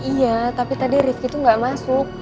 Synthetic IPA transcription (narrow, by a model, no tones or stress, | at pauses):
ijat̪apit̪adiɾɪfkit̪uŋɡaʔmasʊk̚